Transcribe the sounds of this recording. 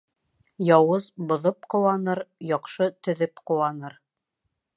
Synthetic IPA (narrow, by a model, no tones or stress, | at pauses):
jɑwɤzbŏðɤp̚qŏwɑnɤɾjɑqʃɤt̪ɵ̆ðɵpqŭwɑnɤɾ